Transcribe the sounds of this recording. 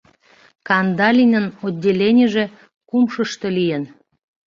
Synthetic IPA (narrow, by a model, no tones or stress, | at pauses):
kɑnd̪ɑlʲinʲənodʲːelʲenʲeʒe̽ | kumʃəʃt̪elijən